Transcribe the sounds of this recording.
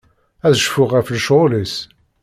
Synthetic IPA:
æðʃfʊʁæflʃolis

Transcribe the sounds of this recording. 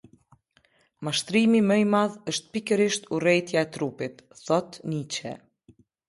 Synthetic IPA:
maʃt̪ɾimimɛjmaðəʃt̪̚pikəɾiʃt̪urɛjt̪jaɛt̪ɾupit̪θɔt̪nit͡ɕɛ̰

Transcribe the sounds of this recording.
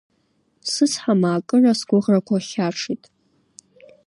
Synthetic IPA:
sɨsħamaːkʼɨrasɡʷʊʁrakʷʰaχʲaʈ͡ʂʰitʼ

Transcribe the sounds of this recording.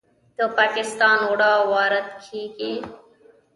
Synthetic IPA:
t̪oːpaːkɪst̪aːnoːɽaːʋaːɾət̪kʰiːkeː

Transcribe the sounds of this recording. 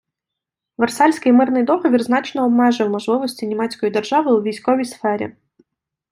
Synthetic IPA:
ʋersɑlʲsʲkɪjmɪrnɪjd̪ɔxɔʋʲirznɑt͡ʃnɔːbmɛʒɨwmɔʒlˠɪʋɔsʲtʲinʲimɛt͡sʲkɔjid̪ɛrʒɑʋɪʊʋʲijsʲkɔʋʲijsfɛɾʲḭ

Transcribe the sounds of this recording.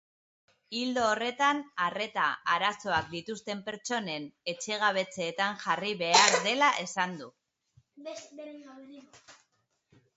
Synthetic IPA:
ild̪oːre̞t̪anare̞t̪aaɾaso̞ak̚d̪it̪ust̪e̞mpe̞ɾt͡ʃo̞ne̞ne̞t͡ʃe̞ɣ̞aβ̞e̞t͡seːt̪aŋʝariβe̞aɾðe̞laʔe̞sand̪u

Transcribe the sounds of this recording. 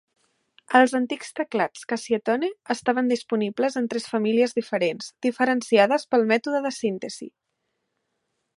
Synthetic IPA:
əlˠzənt̪ikst̪əklat͡skəsiət̪ɔneəst̪aβ̞ənd̪ispunibləzənt̪ɾɛsfəmiliəzðifəɾenzd̪̥ifəɾənsiaðəspəlˠmɛt̪uðəðəsint̪əz̥ḭ

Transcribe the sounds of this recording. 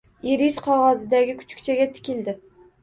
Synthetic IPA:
iɾiz̥qʰɒʁɑzɪd̪aɡʲɪkʰʊ̥t͡ʃʰkʲt͡ʃʰaɡʲat̪ʰɪ̥kʲʰɪld̪ɪ

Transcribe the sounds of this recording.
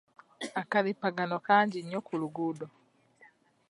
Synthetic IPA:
akalipaɡanokaːɲɟiɲokuluɡudo

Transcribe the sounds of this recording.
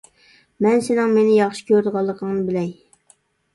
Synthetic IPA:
mɛnsenɪŋmenɪjɑχʃɪ̥kʲøɾd̪ɨʁɑlˠːəqʰəŋnɨbɪlɛj

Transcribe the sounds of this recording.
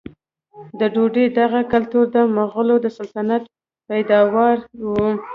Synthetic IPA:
d̪əɖoɖed̪aɣakalt̪uɾd̪əməɣəlod̪əsalt̪anat̪ | pajd̪ɑwɑɾwu

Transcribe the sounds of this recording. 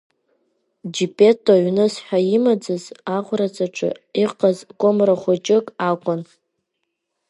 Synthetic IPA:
d͡ʒipʼe̞tʼːoɥnɨsħʷᶣaimad͡zɨzaʁʷrat͡sʼaʈ͡ʂʰʼɨ̰iqʼazkʷʼomraχʷot͡ʃʼɪkʼakʷʼʊn

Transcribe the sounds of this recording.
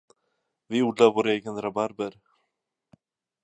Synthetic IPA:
vɪuːɖ̪laɾvoːɾeːɡənɾabaɾbəɾ

